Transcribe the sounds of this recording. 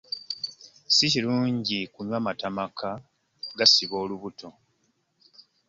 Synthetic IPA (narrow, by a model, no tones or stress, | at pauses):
siciluːɲɟikuɲwaːmatamakʰa | ɡasiβo̞ːluβuto̞